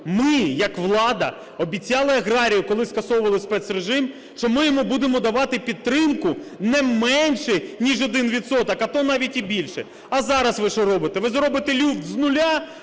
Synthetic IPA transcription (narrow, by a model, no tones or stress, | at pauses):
mɪjɐkʋlˠɑd̪ɐ̰ | ɔbʲit͡sʲːɑlˠɪɐɣɾɑɾʲijʊkɔlˠɪskɐsɔwʊʋɐlˠɪspɛt̪sreʒɪm | ʃt͡ʃɔmɪjɔmubud̪emɔd̪ɐʋɑt̪ɪpʲid̪̚t̪ːɾɪmkʊnɛmɛnʲʃɪnʲiʒɔd̪ɪnʋʲit̪sɔt̪ɐkɐt̪ɔnɑʋʲitʲibʲilʲʃɛ | ɐzɑɾɐsʋɪʃɔɾɔbɪt̪eʋɪzɾɔbɪt̪elʲuwt̪znʊlʲa